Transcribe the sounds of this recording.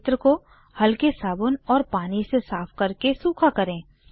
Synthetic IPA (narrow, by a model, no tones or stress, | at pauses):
t̪ɾəko | hɐlkesaːbʊnɔːɾpaːnisesaːfkɐɾkesuːkʰakɐɾẽː